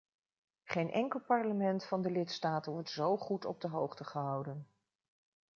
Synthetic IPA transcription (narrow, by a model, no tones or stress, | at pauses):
χejnʔɛ̰ŋkəlˠpɑɹləmɛntfɑndəlɪtstaːtənʋɔɹtzowχutɔ̰b̚dəɦowχtəχəɦɑwdən